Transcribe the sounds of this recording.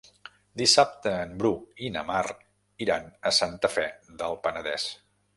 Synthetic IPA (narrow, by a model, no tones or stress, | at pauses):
d̪isap̚t̪əːmbɾuinə̰mar | iɾanəsant̪əfɛðəlˠpənəðɛs